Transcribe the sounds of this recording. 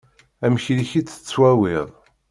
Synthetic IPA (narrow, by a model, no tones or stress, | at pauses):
æmçɾiçit͡sːə̥t͡sːwæwɪðˤ